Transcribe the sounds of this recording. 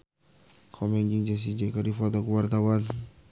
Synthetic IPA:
kʰɔmɛnd͡ʒiŋd͡ʒɛs̬id͡ʒakaɾifɔt̪ɔkuwart̪awan

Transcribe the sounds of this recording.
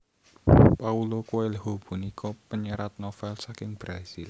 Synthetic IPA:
paulokuwelhob̥ṳnikʰɔpəɲəɾat̪̚nɔfɛlsakɪŋb̥ɾasil

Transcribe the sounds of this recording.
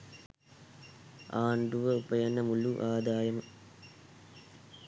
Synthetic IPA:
aːɳɖuʋɐupɐjɐnɐmuluʔaːd̪aːjɐm

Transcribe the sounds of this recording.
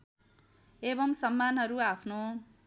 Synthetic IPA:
ebʌmsʌmːanɦʌɾuapʰno

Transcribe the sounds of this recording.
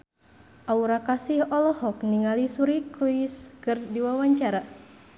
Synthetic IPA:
ʔauɾakasihɔlɔhɔkniŋalisuɾikɾuiskɨrdiwawaɲt͡ʃaɾa

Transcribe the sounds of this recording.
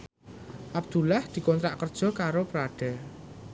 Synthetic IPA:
ʔabd̪̥ulahd̪̥i̤kɔnt̪ɾaʔkərd̥ʒ̥ɔ̤kaɾopɾaɖ̥ɛ̤

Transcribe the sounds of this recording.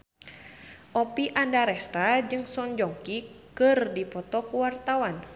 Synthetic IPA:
ʔɔpiʔandaɾɛst̪ad͡ʒɨŋsɔɲd͡ʒɔŋkikɨrdipɔt̪ɔkuwart̪awan

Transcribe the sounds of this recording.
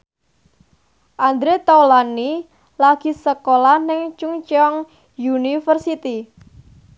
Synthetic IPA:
ʔand̪ɾet̪awlani | laɡ̥i̤səkolanɪŋt͡ʃuŋt͡ʃɔŋ | junifərsit̪i

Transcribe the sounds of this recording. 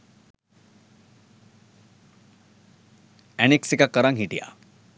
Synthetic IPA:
ɛneksikakəɾaŋɦiʈija̰

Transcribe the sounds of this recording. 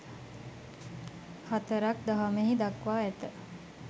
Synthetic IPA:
hat̪əɾak̚d̪aɦaməɦid̪akʋaːɛt̪ə

